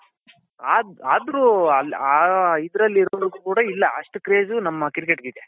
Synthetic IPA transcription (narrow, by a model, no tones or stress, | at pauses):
aːd̪aːd̪ɾuɐl | id̪ɾɐlːiɾɔʋɐɾuɡuːkuːɽɐilːɐʔɐʂʈukɾe̞ːd͡ʒunɐmːɐkiɾikeʈɡid̪e